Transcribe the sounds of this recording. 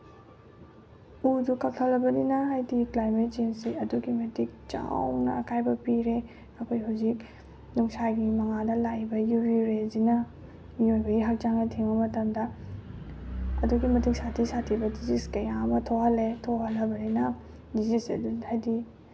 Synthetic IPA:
ud͡ʒukak̚tʰalɐbɐninɐɦajdiklajmet̚t͡ʃensiɐduɡimɐtʰik̚t͡ʃa̰wnɐ̰kʰajbɐpiɾe | ɐkʰojɦawzik̚ | nuŋsajɡimɐŋadɐlajbɐjubiɾezinɐ | mijojbɐɡiɦak̚t͡ʃaŋnɐtʰeŋbɐmɐtɐmdɐ | ɐ̰duɡimɐtʰik̚satʰisatʰibɐdiziskɐjamɐtʰohɐletʰoɦɐlɐbɐninɐ | dizisɐ̰duhajdi

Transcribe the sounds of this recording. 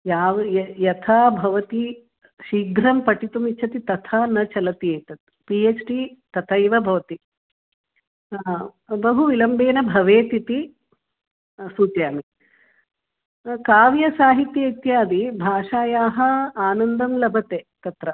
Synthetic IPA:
jaːʋɐjɐt̪ʰaːbʱɐʋɐt̪i | ʃiːɡɾɐmpɐʈit̪umiːt͡ʃʰɐt̪it̪ɐt̪ʰaːnɐt͡ʃɐlɐt̪ieːt̪ɐt̪̚ | piːeːt͡ʃʈit̪ɐt̪ʰɐjʋɐbʱɐʋɐt̪i | bɐɦuʋilɐmbeːnɐbʱɐʋeːt̪it̪i | suːt̪jaːmi | kaːʋjɐsaːɦit̪jɐit̪jaːd̪ibʱaːʂaːjaːɦɐ̆aːnɐnd̪ɐmlɐbʱɐt̪eːt̪ɐt̪ɾɐ

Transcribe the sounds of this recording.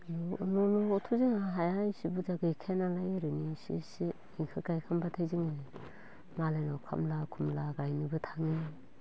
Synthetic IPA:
nnɔnuːtʰuziŋaɦajajsibud͡ʒaɡɯikʰenalajɾɯnisḭsi | iŋkʰɯɡajkʰambatʰajziŋi | malajnɔkʰa̰mlakʰumlaɡajnɯbɯtʰaŋi

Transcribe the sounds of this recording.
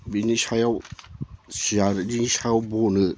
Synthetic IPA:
binisajaw | sijaɾɯd͡ʒinisajawbɔnɯ

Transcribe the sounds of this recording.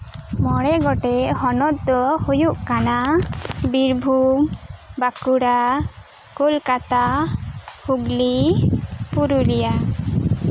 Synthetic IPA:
mɔɽɛɡɔʈɛʔhɔnɔt̪̚d̪ɔhujuʔkanabiɾbʱumbakuɽa | kulkat̪a | huɡli | puɾuɾɛja

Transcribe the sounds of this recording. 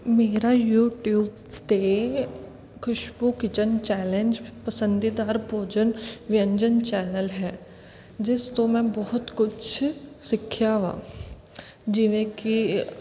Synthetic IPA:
meːɾajuːʈjuːb | t̪e | kʰʊʃbukɪt͡ʃənt͡ʃɛːlẽnd͡ʒpɐsə̃nd̪id̪aːɾbʱoːd͡ʒənʋɪjə̃ɲd͡ʒənt͡ʃɛːnəlɦɛː | d͡ʒɪst̪õmɛ̃bɔɦʊt̪kʊt͡ʃʰsɪkʰːjaʋa̰ː | d͡ʒɪʋẽki

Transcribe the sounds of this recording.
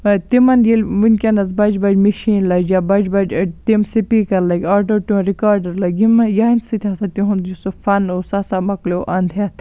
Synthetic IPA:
t̪imɐnjilʋinkʲɐnɐzbɐd͡ʒbɐd͡ʒmiʃiːnlɐd͡ʒabɐd͡ʒbɐd͡ʒt̪imsipikɐɾlɐɡʲaːʈoːʈuũɾikaːɾɖɐɾlɐɡʲimjainsit̪ʲʰasɐt̪iɦũd͡ʒusofɐnoːsɐsamɐkloʔɐnd̪ʱjat̪ʰ

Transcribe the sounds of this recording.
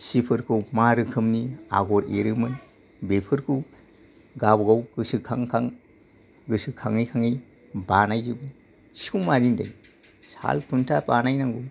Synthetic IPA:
sipʰɯɾkʰɯwmaɾɯkʰɯmnia̰ɡɔɾeɾɯmɯn | bepʰɯɾkʰɯw | ɡabɡawkɯsɯkʰaŋkʰaŋ | ɡɯsɯkʰaŋijkʰaŋij | banajd͡ʒɯbɯ | siuwmaɾinda̰j | sa̰lpʰuntʰapanajnaŋɡu

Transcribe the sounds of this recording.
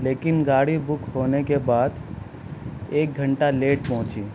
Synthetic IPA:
leːkɪnɡaːɽibʊkɦoːnekebaːd̪ | eːk̚ɡʱə̃ɳʈaleːʈpɔɦʊ̃t͡ʃḭː

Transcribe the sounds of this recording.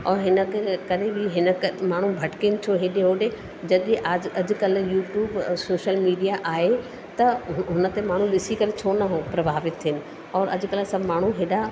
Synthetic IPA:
ɔːɾɦɪnəkkɐɾebɪɦɪnəkmaːɳ̤ũbʱɐʈkenɪ̆t͡ɕʰoɦeːɗeɦoːɗe | d͡ʑɐɗĩʔaːd͡ʑɐd͡ʑ̆kɐljuːʈjuːbsoːʃəlmiːijaʔaːɦe | t̪ɐɦʊnə̆t̪emaːɳ̤ũɗɪsikɐɾet͡ɕʰoːnɐɦopɾɐbʱaːʋɪt̪ʰːiɪnɪ̆ | ɔːɾɐ̰d͡ʑʊ̆kɐlsɐbʱmaːɳ̤ũɦeːɗa

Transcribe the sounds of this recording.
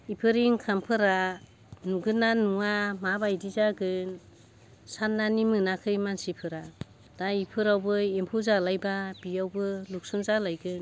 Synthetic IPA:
ipʰɯɾiŋkʰampʰɯɾa | nuɡɯnanuŋamabajdizaɡɯn | sanːanimɯnakʰɯjmansipʰɯɾa | d̥aipʰɯɾawbɯempʰuzalajbab̥iawbɯluk̚sunzalajɡɯn

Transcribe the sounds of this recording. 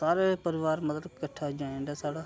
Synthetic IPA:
saːɾeːpəɾɪʋaːɾmət̪ləkəʈʰːaːd͡ʒãːeɳɖaːsaːɽaː

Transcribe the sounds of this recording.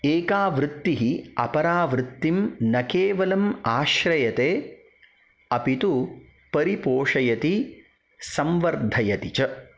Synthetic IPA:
eːkaːʋɾɪt̪ːiɦiɐ̰pɐɾaːʋɾɪt̪ːimnɐkeːʋɐlɐmaːʃɾɐjɐt̪eː | ɐpit̪u | pɐɾipoːʂɐjɐt̪i | sɐmʋɐɾd̪ʱɐjɐt̪it͡ʃɐ

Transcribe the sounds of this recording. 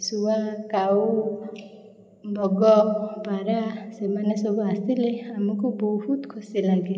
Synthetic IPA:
suakawu | bʱɔɡɔbʱaɾasemanesɔbuast̪ileamukubɔɦut̪kʰosilaɡe

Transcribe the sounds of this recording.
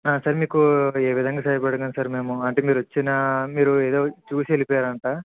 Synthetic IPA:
aːsɐːɾmiːkueːʋid̪ʱɐŋɡaːsɐːjipɐɽɐŋɡɐnsaːɾme̞ːmuɐɳʈeːmiːɾuʋɐt͡ʃːinɐmiːɾueːd̪o̞ːt͡ʃuːsielipɔːjaːɾɐɳʈaː

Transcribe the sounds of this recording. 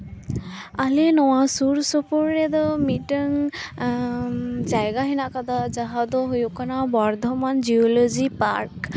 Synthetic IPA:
alinɔwasuɾsɔpuɾːɛd̪ɔmiʈəŋ | d͡ʒajɡaɦinaʔkad̪ad͡ʒaɦad̪ɔɦujukanabɔɾd̪ʱɔmand͡ʒiɔlɔd͡ʒipaɾk

